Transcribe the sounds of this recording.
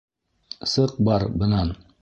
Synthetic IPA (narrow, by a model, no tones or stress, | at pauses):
sɤq̚bɑɾbɤ̆nɑn